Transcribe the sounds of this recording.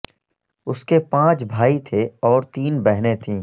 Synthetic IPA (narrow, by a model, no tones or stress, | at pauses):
ʊskepãːt͡ʃbʱaːit̪ʰeɔːɾt̪iːnbɛɦnet̪ʰĩː